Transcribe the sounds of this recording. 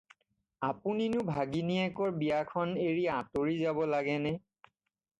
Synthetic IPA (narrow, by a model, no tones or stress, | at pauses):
apuninʊbʱaɡiniɛkɔɹbijakʰɔneɹiaatoɹizabɔlaɡɛnɛ